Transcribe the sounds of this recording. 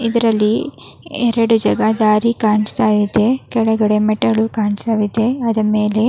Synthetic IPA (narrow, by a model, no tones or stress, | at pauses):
id̪ɐɾɐlːi | ɛɾɐɽud͡ʒɐɡɐd̪aːɾikaːɳist̪aːʋid̪e̞kɛɭɐɡɐɽe̞mɛʈːɐɭukaːɳst̪aːʋid̪e̞ɐd̪ɐme̞ːle̞